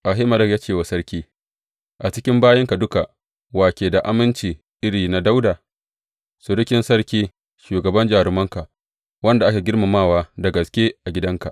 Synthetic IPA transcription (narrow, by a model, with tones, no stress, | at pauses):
ʔa˨ɦe˦mɐ˨ɾɐ˦kjaː˦t͡ʃeː˦˨wa˨sɐ˦ɾkʲiː˦ | ʔa˨t͡ʃɪ˦kʲɪ˦mbaː˦jɐ˦ŋka˨dʊ˦ka˨ʔ | waː˨kʲeː˨da˨ʔa̰˦mɪ˦nt͡ʃiː˨ | ʔɪ˦ɽiː˨na˨da˦wdaː˨ | sʊ˨ɽɪ˦kʲɪ˦nsɐ˦ɽkʲiː˦ | ʃuː˨ɡɐ˨bɐ˦nd͡ʒaː˨ɾɪ˨mɐ˦ŋka˨ʔ | wɐ˦nda˨ʔa˦kʲa˨ɡʲɪ˦ɽma˨maː˦˨waː˦da˨ɡɐ˨skʲe˦ʔa˨ɡʲɪ˦dɐ˦ŋka˨ʔ